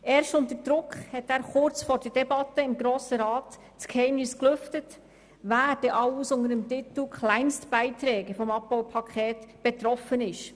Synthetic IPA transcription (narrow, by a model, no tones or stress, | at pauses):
ɛːɾʃtʊnt̪əɾd̥ɾʊkχhɛtæːɾχʊɾt͡sfɔːɾd̥ədɛbɑtːəɪmɡɾoːsəɾɑːt | t͡skhɛɪmnɪsklʏftət | væːɾd̥ɛʔɑlusʊnəɾəmtɪt̪l̩kχlæɪnstb̥æɪt̪ɾɛːɡɛfɔmɑbbawpʰɑkʰχɛːtb̥et̪ɾɔfənɪʃ